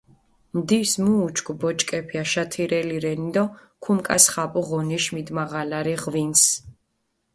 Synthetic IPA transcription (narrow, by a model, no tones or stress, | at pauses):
md̪ismuːt͡ʃʰʼkʼubɔt͡ʃʼkʼɛpʰiaʃat̪ʰiɾɛliɾɛnid̪ɔkʰumkʼa̰sχapʼuʁɔniʃmid̪maʁalaɾiʁvins